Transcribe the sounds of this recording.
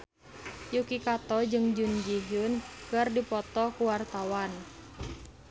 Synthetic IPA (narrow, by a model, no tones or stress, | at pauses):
jukikat̪ɔd͡ʒɨŋd͡ʒund͡ʒiɦʊnkɨrdipɔt̪ɔkuwart̪awan